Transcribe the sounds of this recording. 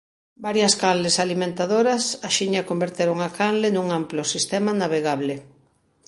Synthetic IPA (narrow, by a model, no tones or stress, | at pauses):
baɾjɐskanlesalimẽnt̪aðoɾɐsaʃiɲɐkombeɾt̪eɾoŋakanlenuŋamplosist̪ɛmanaβeɣaβlɪ